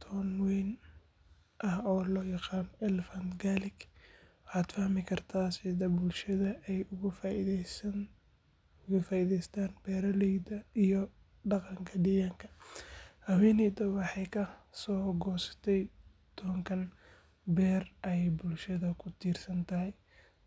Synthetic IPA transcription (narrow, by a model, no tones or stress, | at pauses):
t̪ʰɔnwin | ʔɐhɔːlɔːjɑqɑːnɛlfɐnt̪ɡaːlɪɡwɑħɑːd̪fɐhmɪkʰɐrt̪ʰaːsɛd̪ɐbʊlʃɐðɐɛjʊ | ʊɣɐfaːiðɛjst̪ʰaːnb̥ɛːɾɐlɛjd̪ɐijɔ | ɖɑqɑŋkʰɐɖijɐŋkʰɐ̥hɐwɛːnɛjd̪ɐwɑħɑjkʰɐsɔːɡɔːsɐ̥t̪ʰɛj | t̪ʰɔŋkʰɐn | bɛːrʔɛjbʊlʃɐðɐkʰʊt̪ʰiːrsɐnt̪ʰɐɦɛj